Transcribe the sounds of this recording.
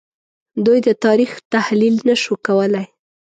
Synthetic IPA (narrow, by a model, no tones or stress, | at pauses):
d̪ujd̪ət̪ɑɾixt̪ahlilnaʃukawəlaj